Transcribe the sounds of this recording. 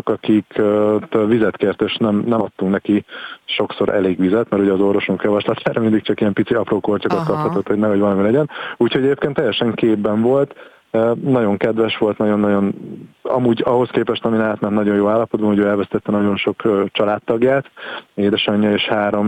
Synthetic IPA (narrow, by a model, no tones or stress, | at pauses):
kɒkikt̪ːlvizɛt̪keːrt̪eʃnɛmnɛmɒt̪ːuŋknɛkiʃo̞kso̞ɾʔɛ̰leːɡʋizɛt̪mɛɾuɟɛːzo̞rvo̞ʃuŋkjɒvɒʃlɒt̪ʰaːɾɒmind̪ikt͡ʃɒkijɛmpit̪siɒproːkort͡ʃokot̪kɒphɒt̪o̞t̪ho̞ɟnɛɦoɟvɒlɒmilɛɟɛnuːcho̞ɟɛeːpkeːnt̪ːɛjːɛʃɛŋkeːbːɛɱvo̞lt̪ | nɒɟo̞ŋkɛd̪ʋɛʃʋo̞lt̪nɒɟo̞nːɒɟo̞nɒ̰muːɟɒɦo̞skeːpɛʃt̪ɒminɛaːt̪nɛnt̪nɒɟo̞joːaːlːɒpo̞d̪bɒnuɟøːɛlvɛst̪ɛt̪ːɛnɒɟo̞nʃo̞kːt͡ʃɒlaːt̪ːɒɡjaːt̪eːd̪ɛʃɒɲːɒeːʃhaːɾo̞m